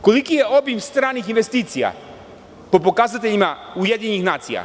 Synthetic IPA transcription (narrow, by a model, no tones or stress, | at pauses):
ko̞likijeobimst̪ɾaːnixinʋest̪iːt̪sija̰ | po̞pokazat̪eʎimaujed̪ɲeɲixnaːt̪sija̰